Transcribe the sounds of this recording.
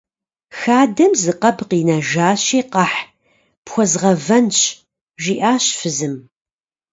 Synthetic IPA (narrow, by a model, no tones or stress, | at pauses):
xaːdɐmzɨqɐbqiːnɐʒaːɕiːqɑħ | pxʷɔzʁɐvɐnɕ | ʒiːʔaːɕfɨzɨm